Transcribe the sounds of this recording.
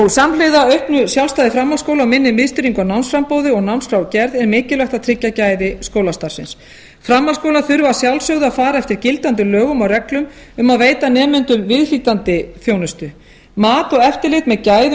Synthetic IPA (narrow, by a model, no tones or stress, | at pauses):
ɔɣsamlejðaœɥhpnʏsjawlst̪ajðɪfɾamːalskowlamɪnːɪmɪðst̪ʏɾiŋkawnawnsfɾampoːwðɪɔɣnawnskɾawcɛɾðɛɾmɪːcɪlœxt̪aðt̪ʰɾɪcːacaːjðɪskoːwlast̪aɾ̥sɪns | fɾamːalskowlaθʏɾvasjawlsœwɣðʏafaːɾaɛft̪ɪɾ̥cɪlt̪ant̪ʏlœːɣʏmawrɛklʏm | ʏmaðveːjt̪anɛːmɛnt̪ʏɾvɪðfiːt̪ant̪ɪθjownʏst̪ʏ | maːt̪ɔɣɛft̪ɪlɪt̪mɛðcaːjðʏ